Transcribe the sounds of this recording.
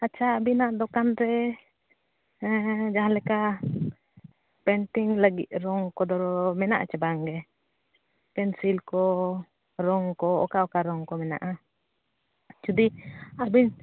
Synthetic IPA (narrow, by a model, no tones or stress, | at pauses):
at͡ʃaːbinaʔd̪ɔkanɾɛ | d͡ʒaɦãlɛka | pɛnʈiŋlaɡḭʔɾɔŋkɔd̪ɔɾɔmɛna̰ʔa̰t͡ʃabaŋɡɛ | pɛnsilkɔ | ɾɔŋkɔɔ̰kaɔkaɾɔŋkɔmɛna̰ʔa | t͡ʃud̪iabiɲ